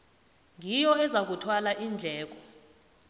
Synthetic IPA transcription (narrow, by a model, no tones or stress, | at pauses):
ŋʱijɔɛzak̬utʰwalaʔind͡ɮʱɛːk̬ɔ